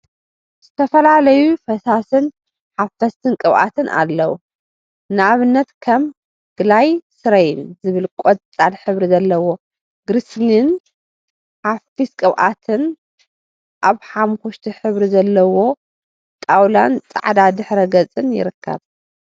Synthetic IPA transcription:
z̥ɨt̪ʰɐfɐlalɐjufɐsasɨn | ħafɐst̪ʰɨnkʼɨβʔa̰t̪ʰɨnʔa̰lːɐwu | nɨaβɨnːɐt̪kʰɐm | ɡ̥ɨlajsɨɾɐjɪnzɨβɨlkʼot͡sʼalħɨβɾizɐlːɐwo̞ | ɡɾɨsnin | ħafiskʼɨβʔa̰t̪ʰɨn | ʔaβħamxuʃt̪ʰiħɨβɾizɐlːɐwo̞ | t̪ʼawlant͡sʼa̰ʕd̪ad̪ɨħɾɐɡɐt͡sʼɨnjɪ̰ɾɨkʰːɐ̰β

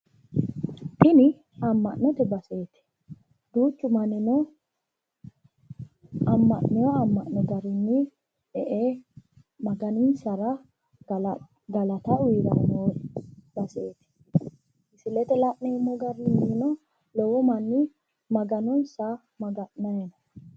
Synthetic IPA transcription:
t̪ɪnɪ | ɐmːɐʔnɔt̪ɛbɐse̞ːt̪ɛ̥ | d̪uːt͡ʃːʊmɐnːɪnɔ | ɐmːɐʔnɛjɔɐmːɐʔnɛɡɐɾɪnːi | ᶑɛʔeː | mɐɡɐnɪnsɐɾɐ | ɡɐlɐt̪ɐwiɾɐwɔnoːbɐseːt̪ɛ̥ | ɪsɪlɛt̪ɛlɐʔnɛɪmːɔɡɐɾɪnːinɔ | lɔwɔmɐnːɪ | mɐɡɐnɔnsa | mɐɡɐʔnɐjɛnɐ

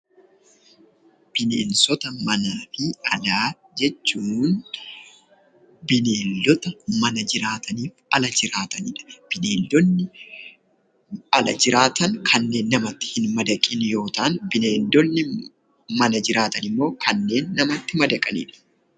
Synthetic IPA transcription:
b̥ɪneːnsɔt̪ɐmɐnaːfɪɐlaː | d͡ʒɛt͡ʃːuːn | bɪneːlːɔt̪ɐmɐnɐd͡ʒɪɾaːt̪ʰɐniːfɐlɐd͡ʒɪɾaːt̪ɐnɪ̰ᶑɐ̥b̥ɪneːld̪ɔnːɪ | ɐlɐd͡ʒɪɾaːt̪ɐŋkʰɐnːe̞ːnːɐmɐt̪ːɪ̥hɪnmɐd̪ɐkʼɪnjo̞ːt̪aːnbɪneːld̪ɔnːɪ | mɐnɐd͡ʒɪɾaːt̪ɐnɪmːo̞ːkʰɐnːe̞ːnːɐmɐt̪ːɪmɐd̪ɐkʼɐnɪ̰ᶑɐ̥

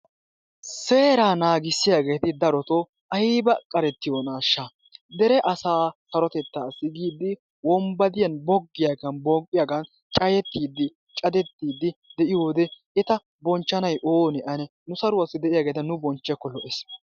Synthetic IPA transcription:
se̞ːɾaːnaːɡɪsːɪjaːɡe̞ːt̪ɪd̪ɐɾɔt̪ɔ | ɐjibɐkʼɐɾɛt̪ːɪjonaːʃːa | d̪ɛɾɛʔɐsaːsɐɾɔt̪ɛt̪ːaːsɪɡiːd̪ɪ | wɔmbɐd̪ɪjɐnbɔɡːɪjaːɡɐnbɔɡʼːɪjaɡɐn | t͡ʃʼɐjɛt̪ːiːd̪ːɪ | t͡ʃʼɐd̪ɛt̪ːiːd̪ːɪd̪ɛʔɪjoːd̪ɛ | ɛt̪ɐ | bɔnt͡ʃːɐnɐjʔoːnɛʔɐnɛ | nʊsɐɾʊwɐsːɪd̪ɛʔɪjaːɡeːt̪ɐnʊbɔnt͡ʃːɛkːɔlɔʔɛs

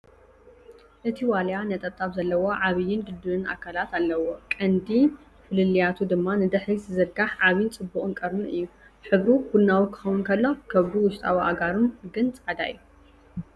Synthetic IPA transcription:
ʔɨt̪ʰiwaljanɐt̪ʼɐt̪ʼːaβzɐlːɐwo̞ʕaβɨjːɪnɡ̪ɨd̪ɨβɨnʔa̰kʰalat̪alːɐwokʼɐnd̪i | fɨlɨlijat̪ʰud̪ɨmːanɨd̪ɨħiszɨɾɡaħʕaβjɪnt͡sʼɨbːuχʼɨnkʼɐɾnuʔɨ̰jːu | ħɨβɾubunːawikʰɨ̥xɐwunkʰɐlːo̞kʰɐβɾuwʊʃt̪ʼawiʔa̰ɡaɾunɡɨnt͡sʼʕad̪a̰ʔju

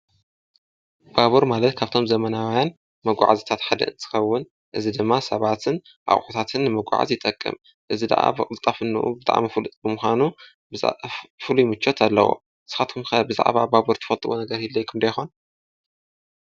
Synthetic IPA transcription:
b̥aβuɾmalɐt̪kʰaβt̪ʰo̞mzɐmɐnawjan | mɐɡʷa̰ʕa̰zit̪ʰat̪ħad̪ɐ̰ʔɨnt̪ʰɨ̥xɐwːʊn | ʔɨzid̪ɨmːasɐβat̪ʰɨn | ʔa̰χʼħut̪ʰat̪ʰɨnːɨmɐɡ̰ʷʕa̰zjɪt̪ʼɐkʼːɨ̰m | ʔɨzid̪a̰ʔa̰bɐkʼɨlt̪ʼafɨnːɨ̰ʔṵbɨt̪ʼa̰ʕmifɨlɨt̪ʼbɨmuxʷanu | b̰fɨlujmɨt͡ʃːot̪ʰalːɐ̰wo̰ | sɨ̥xat̪kʰumxɐbɨza̰ʕβa̰baβuɾt̪ʰɨfɐlt̪ʼɨwonɐɡɐɾjilːɐjkʰɨmd̪ɐjxon

